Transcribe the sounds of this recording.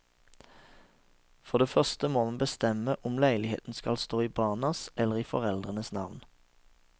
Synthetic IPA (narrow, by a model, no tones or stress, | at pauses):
fɔʁd̪eːfœʁst̪əmoːmɑnbəst̪ɛməʔʊmlæɪlɪhḛːt̪n̩skɑ̰lst̪oːiːbɑːʁnɑsɛləʁiːfɔ̰ʁɛld̪ʁənəsnɑʋn